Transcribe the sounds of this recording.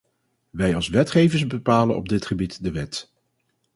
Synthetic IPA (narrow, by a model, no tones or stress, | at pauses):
ʋɛjɑlˠsʋɛtχejvəɹsbəpaːlənɔ̰b̚dɪtχəbitdəʋɛt